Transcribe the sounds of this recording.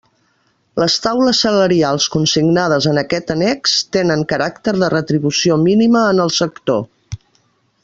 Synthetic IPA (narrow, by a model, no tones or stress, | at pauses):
ləst̪awləsːələɾialˠskunsiɡnað̞əzənəkɛt̪ənɛkst̪enəŋkəɾakt̪əɾðərət̪ɾiβusiominiməːnəlˠsəkt̪o